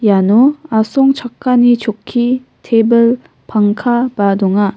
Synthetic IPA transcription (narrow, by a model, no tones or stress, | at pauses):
janoasʰoŋt͡ɕak̚k͈aɲit͡ɕokʰːi | tʰebɯɭ | paŋkʰabadoŋa